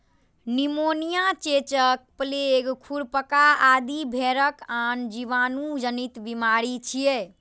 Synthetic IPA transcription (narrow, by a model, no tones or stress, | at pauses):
nimonijat͡ʃet͡ʃək̚pəleɡkʰuɽpəkaad̪ibʱeɾəkand͡ʒiʋanud͡ʒənit̪bimaɾit͡ʃʰie